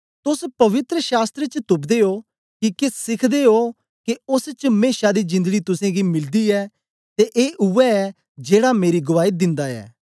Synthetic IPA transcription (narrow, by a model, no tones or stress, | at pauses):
t̪ʊspɐʋɪt̪ɾəʃaːst̪ɾet͡ʃt̪ʊpd̪eːɦoː | kikesɪkʰd̪eːɦoː | keʊst͡ʃmeːʃaːd̪iːzɪ̃nd̪əɡiːt̪ʊsẽːɡiːmɪld̪iːɛː | t̪eʔeːʔʊʋɛɛ | d͡ʒeːɽameːɾiɡʊʋaːid̪ɪ̃nd̪aːɛ̰ː